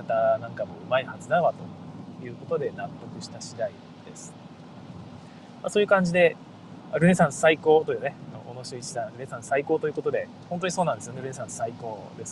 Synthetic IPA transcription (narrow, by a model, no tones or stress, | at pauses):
at̪anãŋkamo̞ɯ̟maihazɨd̪aβat̪o̞jɯ̟ːko̞t̪o̞d̪e̞nat̪ːo̞kɯ̟ɕi̥t̪aɕid̪ai | d̪̥e̞sɨ̥ | masoːjiɯ̟kãɲ̟d͡ʑid̪e̞ | aɾɯ̟esãɰ̃saiko̞ːt̪ojineanoʔonoɕioit͡ɕid̪aɾɯ̟ɾesãsaiko̞ːt̪o̞ji̟ko̞t̪o̞d̪e̞ | hont̪oɲisoːnãnd̪esɨjo̞neɾɯ̟esãɰ̃saiko̞ː | d̪e̞s